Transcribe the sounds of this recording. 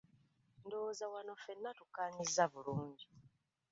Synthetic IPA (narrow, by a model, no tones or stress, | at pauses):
ndozawano̞fe̞nːatukːaːɲizːaβuluːɲɟi